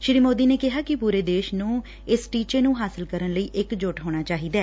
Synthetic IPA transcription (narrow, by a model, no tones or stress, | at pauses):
ʃɪɾiːmoːd̪iːneːkɪɦaːkɪpuːɾeːd̪eːʃnũː | ɪsʈiːt͡ʃeːnũːɦaːsəlkəɾənləiːʔɪkd͡ʒoʈɦoːɽ̃aːt͡ʃaːɦiːd̪aː